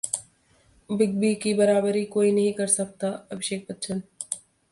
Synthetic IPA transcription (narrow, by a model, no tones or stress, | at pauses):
bɪɡ̚bikibɐɾaːbəɾikoːinɐɦĩkɐɾsɐk̚t̪aɐbʱɪʃeːk̚pət̪t͡ʃʰən